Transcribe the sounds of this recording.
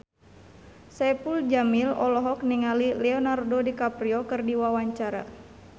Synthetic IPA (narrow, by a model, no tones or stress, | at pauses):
sɛpuld͡ʒamilɔlɔɦɔk̚niŋalilɛɔnardodikapɾiɔkɨrdiwawaɲt͡ʃaɾa̰